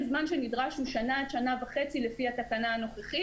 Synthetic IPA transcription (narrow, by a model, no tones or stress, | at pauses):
zmanʃenidʁaʃuʃanadʃanavaχe̞t͡silefihatakanaːno̞χeχi